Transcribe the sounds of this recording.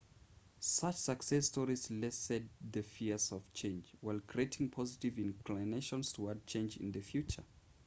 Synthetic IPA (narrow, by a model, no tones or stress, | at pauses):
sat͡ʃsəksɛstɔɹizlɛsɛd̚ðɨfiɹzɔv̥t͡ʃʰẽɪ̃nd͡ʒwaɪlˠkʰɹ̥ieɪtʰɪ̃ŋpʰɔzɪtɪvɪ̃nkʰlineɪʃə̃nstʰəad̚t͡ʃʰẽɪ̃nd͡ʒɪ̰̃nðɨfjʉt͡ʃə̰˞